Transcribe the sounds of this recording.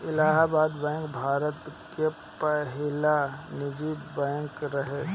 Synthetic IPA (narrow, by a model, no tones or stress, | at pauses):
ɪlaːɦabaːd̪bɛ̃ːŋkbʱaːɾət̪ | ke | pəɦɪlanɪd͡ʒiːbɛ̃ːŋkɾɐɦe